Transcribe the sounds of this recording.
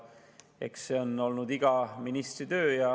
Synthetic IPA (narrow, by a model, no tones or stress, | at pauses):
ekse̞o̞no̞lnud̪̥iɡ̥ɑminist̪rit̪ø̞ːjɑ